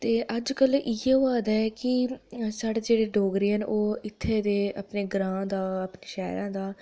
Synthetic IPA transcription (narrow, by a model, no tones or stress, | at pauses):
t̪eːʔəd͡ʒkəlɪeːoaːd̪aːɛːkɪsaːɽeːd͡ʒeːɽeːɖoːɡɾiənʔoːɪt̪ʰːeːd̪eːa̰ːpneːɡɾãːd̪aːəpneːʃɛːɾãːd̪aː